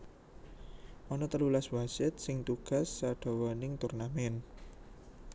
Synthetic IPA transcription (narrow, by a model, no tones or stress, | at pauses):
ʔɔnɔt̪əlulaswasɪt̪̚sɪŋt̪uɡ̥a̤sːaɖ̥ɔ̤wɔnɪŋt̪urnamɛn